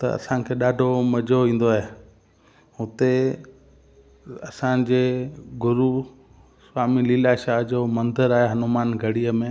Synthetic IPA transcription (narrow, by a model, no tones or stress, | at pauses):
t̪ɐ̰ɐ̰sãkʰeːɗaːɖʱomɐd͡ʑʱoʋĩːn̆d̪oaːɦe | ɦʊt̪e | ɐsãd͡ʑeːɡʊɾu | swaːmiliːlaʃaːɦd͡ʑoːmɐ̃nd̪əɾaːɦeɦɐnumaːnɡʱɐɽijəmẽ